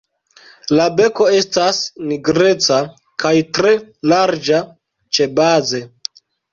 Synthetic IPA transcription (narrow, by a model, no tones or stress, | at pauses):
labe̞ko̞e̞stasniɡɾe̞t͡sa | kʰajtɾe̞laɾd͡ʒa | t͡ʃe̞baze̞